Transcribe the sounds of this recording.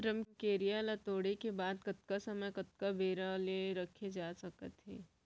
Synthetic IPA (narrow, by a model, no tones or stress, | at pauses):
ɾəmkeːɾijalat̪oːɽekebaːd̪kɐt̪kasɐməkɐt̪̚kabʱeːɾaleɾɐkʰed͡ʒaːsɐkət̪ɦḛː